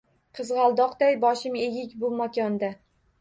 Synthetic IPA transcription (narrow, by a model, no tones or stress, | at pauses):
qʰɨzʁɑlˠd̪ɒqd̪ajbɒʃɪmeɡʲɪkʲbʊmakʲʰɒnd̪a